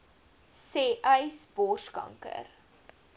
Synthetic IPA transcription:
seːʔɐjsb̥ɔrskɐ̰ŋkə̰r

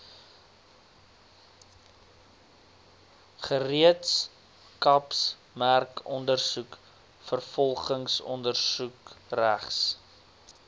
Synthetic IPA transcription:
χəriəts | kɐps | mærkʰɔndərsuk | fərfɔlˠχəŋsɔ̰ndərsukræχs

